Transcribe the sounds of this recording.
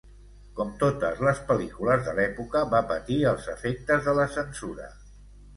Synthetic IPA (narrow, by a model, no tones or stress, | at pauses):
kɔmt̪ot̪əzləspəlikuləzðəlɛpukəβapət̪iəlˠzəfek̚t̪əzðələsənsuɾə̰